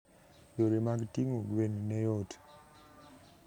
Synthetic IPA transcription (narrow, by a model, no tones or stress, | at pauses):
joɾemaɡtiŋoɡwennɛjot